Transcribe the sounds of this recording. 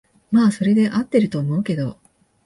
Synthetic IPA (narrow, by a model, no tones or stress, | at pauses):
maːso̞ɾe̞d̪e̞ʔat̪ːe̞ɾɯ̟t̪o̞ːmo̞ɯ̟ke̞d̪o̞